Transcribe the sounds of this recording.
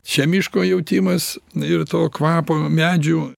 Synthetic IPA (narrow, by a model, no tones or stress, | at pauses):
ʃʲɛmʲɪʃkoːjɛʊt̪ʲɪmɐsɪrt̪oːkʋɑːpoːmʲæːd͡ʒʲuː